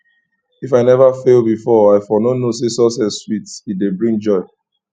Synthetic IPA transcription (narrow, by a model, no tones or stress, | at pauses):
ifaɪnɛvafelbifɔaɪfɔnonos̬esɔsɛswitidebɹĩŋd͡ʒɔɪ